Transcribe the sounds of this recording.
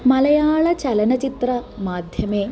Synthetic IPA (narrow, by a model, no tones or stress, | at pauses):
mɐlɐjaːɭɐt͡ɕɐlɐnɐt͡ʃit̪rɐmaːd̪ʱjɐmeː